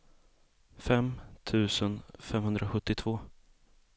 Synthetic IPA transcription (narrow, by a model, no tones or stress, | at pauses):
fɛmt̪ʰʉ̟ːsənfɛmɦɵnd̪ɾʔaɧɵt̪ːɪt̪ʰv̥oː